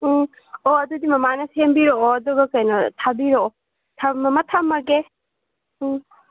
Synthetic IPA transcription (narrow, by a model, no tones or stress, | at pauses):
oɐdudimɐmanɐsembiɾooɐduɡɐkɐjnɐtʰabiɾoo | tʰamɐmatʰamːɐɡe